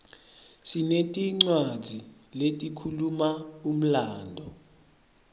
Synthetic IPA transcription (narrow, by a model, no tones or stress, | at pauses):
sinetʼiŋ͡ǀwad̥d͡z̥ʱiletʼikʰulumaum̩laːndʱɔ